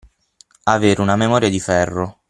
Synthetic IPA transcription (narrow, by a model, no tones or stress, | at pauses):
aveːɾunamemɔːɾjad̪ifɛrːo